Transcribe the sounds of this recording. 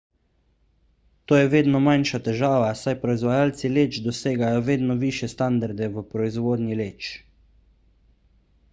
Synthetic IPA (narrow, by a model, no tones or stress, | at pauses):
t̪oːjɛʋeːd̪nɔmanʃat̪ɛʒaːʋasajpɾɔizʋajaːlt̪sileːt͡ʃd̪ɔseːɡajɔʋeːd̪nɔʋiːʃjɛst̪and̪aɾd̪ɛʋəpɾɔizʋoːd̪nʲileːt͡ʃ